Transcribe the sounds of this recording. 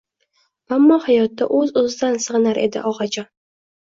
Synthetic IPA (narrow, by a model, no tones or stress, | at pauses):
amːɒhajɒt̪ːaʔɵzozɪd̪ansɨʁɨnaɾʔe̞̰d̪ɪ̰ʔɒʁɑd͡ʒɒn